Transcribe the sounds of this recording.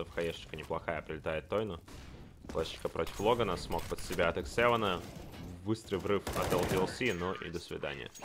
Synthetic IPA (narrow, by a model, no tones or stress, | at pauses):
əfxɐjʲeʂt͡ɕɪ̥kənʲɪplˠɐxajəpɾʲɪlʲɪt̪ajɪt̪ːojnʊ | plˠaʂt͡ɕɪ̥kəpɾʔotʲɪ̥flˠoɡənəsmok̚pət̪sʲɪbʲaɐt̪əksɛvənəbɨst̪ɾɨjvrɨfɐt̪ɛlˠd̪ʲɪɛlˠsʲinoʔḭd̪əsvʲɪ̰d̪a̰nʲɪ̰jə̰